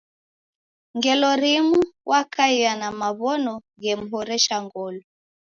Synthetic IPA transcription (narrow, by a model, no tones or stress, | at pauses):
ŋɡɛlɔɾimuwʔakaianamaβɔnɔ | ɣɛm̩ɦɔɾɛʃaŋɡɔlɔ